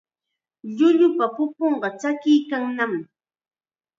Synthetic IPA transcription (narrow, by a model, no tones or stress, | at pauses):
ʎʊʎʊpapʊpoɴɢɑt͡ʃakɪjkaŋnam